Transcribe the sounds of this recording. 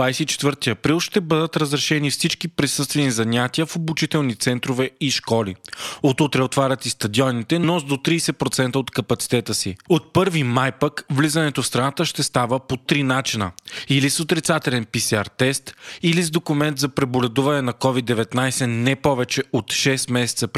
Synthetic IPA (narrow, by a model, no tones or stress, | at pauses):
vajsɛit͡ʃɛ̥t̪vəɾt̪iɐpɾilˠʃt̪ɛbəd̪ət̪ɾəzɾɛʃɛnifsit͡ʃkipɾisɤst̪vɛnizɐɲʲat̪iəfobut͡ʃit̪ɛlˠnit̪sɛnt̪ɾovɛiʃkɔlḭot̪ut̪ɾɛot̪vaɾʲɐt̪ist̪ɐd̪iɔnit̪ɛnɔzd̪ot̪ɾiːsɛpɾot̪sɛnt̪əot̪kɐpɐt̪si̥t̪ɛt̪əsiot̪̚pɤɾvimajpəkvlizɐnɛt̪ofst̪ɾɐnat̪əʃt̪ɛst̪avəpot̪ɾinat͡ʃinəilisot̪ɾit̪sat̪ɛlɛnpisɛaɾt̪ɛst̪ilizd̪okʊmɛnt̪zɐpɾɛbolɛd̪uvɐnɛnɐkɔvid̪ːɛvɛt̪najsɛnɛpɔvɛt͡ʃɛot̪ʃɛst̪mɛsɛ̥t̪səp